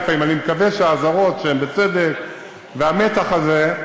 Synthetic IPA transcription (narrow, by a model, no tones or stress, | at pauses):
faimanimekaveʃeaːzaʁo̞tʃeembet͡sed̪ek | veamet̪aχaze